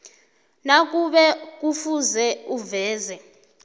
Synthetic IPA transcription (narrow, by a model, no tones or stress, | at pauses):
nak̬ʼuɓɛk̬ufuzɛuvɛːzɛ